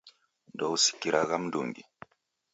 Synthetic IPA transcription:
ndɔwsi̥kiɾaɣamdṵŋɡi

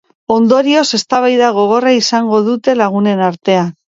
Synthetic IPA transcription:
o̞nd̪o̞ɾio̞se̞st̪aβ̞ajðaɣ̞o̞ɣ̞o̞raisaŋɡo̞ð̞ut̪e̞laɣ̞une̞naɾt̪e̞an

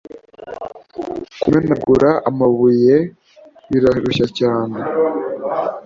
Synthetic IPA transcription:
kumenaɡuɾaʔamaβuje | βiɾaɾuʃacaːne

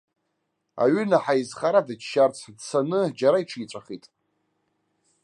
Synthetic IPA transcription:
a̰ɥʏnaħaizχaɾadaʃart͡sʰdt͡sʰanɨd͡ʒaɾaiʈ͡ʂʰit͡sʷʼaχitʼ

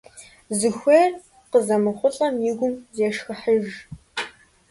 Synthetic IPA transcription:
zɨxʷeːr | qəzɐmɨχʷʊɬʼɐmjɪɡʷʊmzeːʂxɨħəʒ

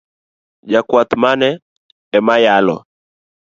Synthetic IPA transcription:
d͡ʒakwat̪manɛ | ɛmajalɔ̰

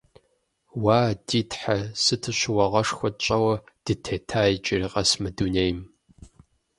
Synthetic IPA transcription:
waːdiːtħasɨtʰɨɕɪwɐʁɐʂxʷɔt͡ʃʼɐwɐd̥ɨtʰeːtʰaːjt͡ʃʼɪriqʼɐsmɨdunejm

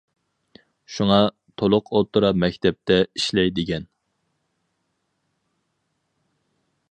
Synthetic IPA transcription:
ʃuŋɑ | t̪ʰolˠʊqʰot̪ʰuɾɑmɛkʲt̪ʰɛp̚t̪ʰɛiʃlɛjd̪ɪɡʲɛn

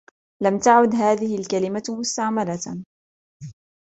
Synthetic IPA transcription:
lamt̪aʕʊd̪ɦaːðɪhɪlkalɪmamʊst̪aʕmala

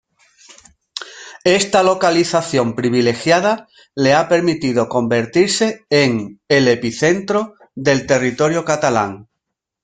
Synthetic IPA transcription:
e̞st̪alo̞kaliθaθjo̞mpɾiβ̞ile̞xjað̞a | le̞ape̞ɾmit̪ið̞o̞ko̞mbe̞ɾt̪iɾse̞eŋele̞piθe̞nt̪ɾo̞ | ðe̞lt̪e̞rit̪o̞ɾjokat̪ala̰ŋ

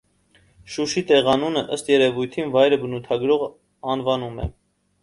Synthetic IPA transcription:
ʃuʃit̪ɛʁɑnunəʔəst̪jɛɾɛvujt̪ʰinvɑjɾəbənut̪ʰɑɡɾɔʁ | ɑnvɑnumɛ̰

